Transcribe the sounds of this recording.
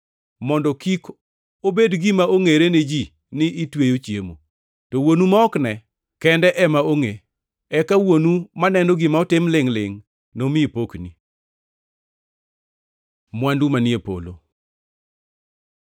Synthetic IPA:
mɔndɔkik | obedɡɪmaoŋeɾened͡ʒi | nɪitwejot͡ʃjḛmo | tɔwonumaɔknɛ | kɛndɛʔɛmaoŋe | ɛkawonumanɛndɔɡɪmaɔtɪmlɪŋlɪ̰ŋ | nomɪpokni | mwandumanjepo̰lo̰

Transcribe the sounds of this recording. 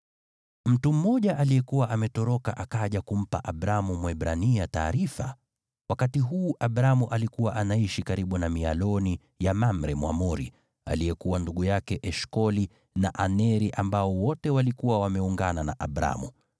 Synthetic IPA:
m̩tum̩mɔʄaʔalijɛkuwaʔamɛtɔɾɔkaʔakaʄakum̩pa̰ʔaɓɾamumwɛɓɾanijata̰ːɾifa̰ | wakatiɦuːʔaɓɾamuʔalikuwaʔanaiʃikaɾiɓunamialɔni | jamam̩ɾɛmwa̰mɔɾḭ | a̰lijɛkuwanduɠujakɛʔɛʃkɔli | naʔanɛɾiʔambaɔwɔtɛwalikuwawamɛuŋɡananaʔaɓɾa̰mu

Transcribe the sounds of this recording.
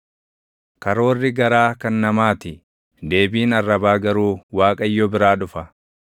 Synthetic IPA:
kɐɾo̞ːrːɪɡɐɾaːkɐnːɐmaːt̪ɪ | d̪e̞ːbiːnɐrːɐbaːɡɐɾuːwaːkʼɐjːɔbɪɾaːᶑʊfɐ

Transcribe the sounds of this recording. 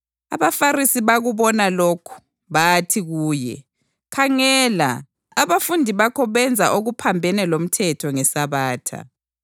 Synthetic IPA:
a̰βafarisiβaɣuβɔnalokʰu̥ | βatʰiɣuːjɛ̰ | kʰaŋɛːla̰ | aβafundʱiβakʰɔβɛnd͡zʱa̰ʔoɣupʰambʱɛnɛlom̩tʰɛtʰɔŋɛsaβaːtʰa̰

